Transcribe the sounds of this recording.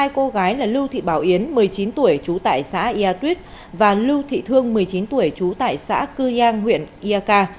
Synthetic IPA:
aː˧jko˧ɣaː˨˦jlaː˨˩lu˧t̪ʰḭ˧˨ɓaː˧˩wʔi˨˦ənmɨ˨˩əjt͡ɕi˨˦nt̪u˧˩əjt͡ɕu˨˦t̪a̰ː˧˨jsa̰ː˧˥ʔi˧aː˧t̪wi˦˥t̚ | vaː˨˩lu˧t̪ʰḭ˧˨t̪ʰɨ˧əŋmɨ˨˩əjt͡ɕi˨˦nt̪u˧˩əjt͡ɕu˨˦t̪a̰ː˧˨jsa̰ː˧˥kɨ˧zaː˧ŋɦwḭ˧˨ənʔi˧aː˧kaː˧

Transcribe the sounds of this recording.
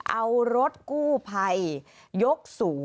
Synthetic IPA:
ʔa˧wɾo˦˥t̪̚kuː˥˩pʰa˧jː | o˦˥k̚suː˩˦

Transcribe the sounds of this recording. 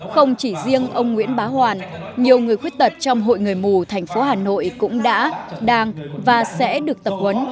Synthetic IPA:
xə˧wŋ͡mt͡ɕi˧˩zi˧əŋʔə˧wŋ͡mŋwḭ˧˥ənɓaː˨˦hwaː˨˩nɲi˨˩əwŋɨ˨˩əjxwi˦˥ət̚t̪ə˨˩t̚t͡ɕɔ˧wŋ͡mɦo̰˧˨jŋɨ˨˩əjmu˨˩t̪ʰɛ˨˩jŋ̟fo˨˦ɦaː˨˩no̰˧˨jkʊ̰˧˥ŋ͡mɗa̰ː˧˥ɗaː˧ŋvaː˨˩sɛ̰˧˥ɗɨ˨˩ək̚t̪ə˨˩p̚hwə˨˦n

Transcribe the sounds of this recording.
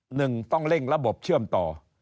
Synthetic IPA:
nɯ˨˩ŋt̪ɔ˥˩ŋɾe˥˩nɾa˦˥bo˨˩p̚t͡ɕʰɯ˥˩əmt̪ɔː˨˩

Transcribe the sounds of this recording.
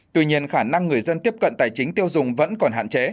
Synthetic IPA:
t̪wḭ˧ɲi˧ənxaː˧˩na˧ŋːɨ˨˩əjzə˧nt̪i˦˥əp̚kə̰˧˨nt̪aː˨˩jt͡ɕï˨˦ŋ̟t̪i˧əwzʊ˨˩ŋ͡mvə̰˧˥nkɔ˨˩nɦa̰ː˧˨nt͡ɕe˨˦

